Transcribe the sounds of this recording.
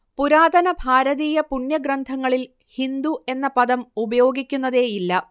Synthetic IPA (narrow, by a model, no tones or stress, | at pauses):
puɾaːd̪ɐnɐbʱaːɾɐðiːjɐpuɳjɐɡɾɐnd̪ʱɐŋːɐɭil | hind̪ue̞nːɐpɐðɐmubɐjo̞ːɡikʲːunːɐðe̞ːjilːɐ